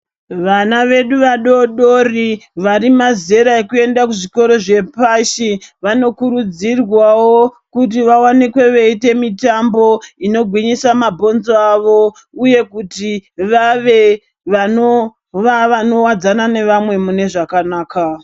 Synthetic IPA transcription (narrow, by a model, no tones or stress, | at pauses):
ʋanaʋe̞ɗuʋaɗo̞ɗo̞riʋaɾimaze̞ɾaekue̞ndakuʐiko̞ɾo̞ʐe̞paʃiʋano̞kuɾud͡zirwawo̞kut̬iʋawanikwe̞ʋeite̞mitambo̞ino̞ɡʱwiɲisamabʱo̞nzoaʋo̞ | uje̞kutiʋaʋe̞ | ʋano | ʋaʋano̞wad͡zanane̞ʋamwe̞mune̞ʐakanaːka